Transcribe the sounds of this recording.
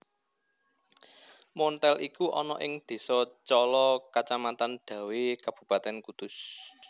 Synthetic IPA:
mɔnt̪ɛlʔikuʔɔnɔʔɪŋd̪̥e̤sɔt͡ʃɔlɔkat͡ʃamat̪anɖ̪̥ä̤wekab̥ṳpat̪ɛnkud̪̥ʊs

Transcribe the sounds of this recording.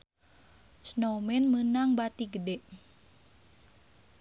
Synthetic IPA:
snomɛnmənaŋbat̪iɡədɛʔ

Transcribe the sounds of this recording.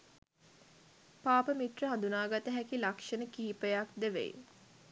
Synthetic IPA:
paːpəmit̪rəɦand̪unaːɡat̪əɦækilakʂənəkiɦipəjakd̪əʋḛj

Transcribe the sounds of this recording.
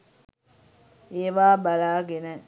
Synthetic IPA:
eːʋaːbalaːɡenə

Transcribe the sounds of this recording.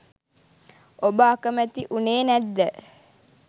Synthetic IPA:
obəakəmæt̪iʔuneːnæd̪ːə

